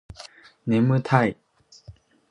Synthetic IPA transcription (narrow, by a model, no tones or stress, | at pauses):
nemɯ̟t̪ʰai